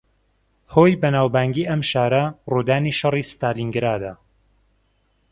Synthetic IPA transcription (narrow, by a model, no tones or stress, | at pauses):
hoːjbɐnaːwbaːŋɡiːʔɐmʃaːɾɐruːd̪aːniːʃɐriːst̪aːliŋɡɾaːd̪ɐ